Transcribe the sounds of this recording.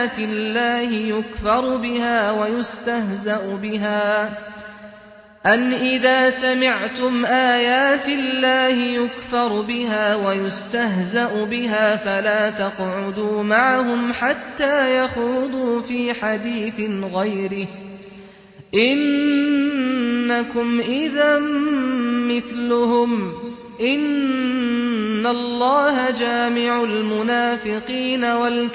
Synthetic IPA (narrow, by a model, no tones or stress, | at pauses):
t̪ɪlːaːhɪjʊkfɑɾˤbɪhaːwajʊst̪ahzaʔʊbɪɦaː | ʔanʔɪðaːsamɪʕt̪ʊmʔaːjaːt̪ɪllːaːhɪjʊkfɑɾˤbɪɦaːwajʊst̪aɦzaʔʊbɪɦaːfalaːt̪ɑqʕʊd̪uːmaʕaɦʊmħat̪ːaːjaxuːd̪ˤuːfiːħad̪iːθɪnɣajɾɪh | ʔɪn | akʊmʔɪðamː | ɪθlʊhʊm | ʔɪn | alˤːɑːɦad͡ʒaːmɪʕalmʊnaːfɪqiːnawal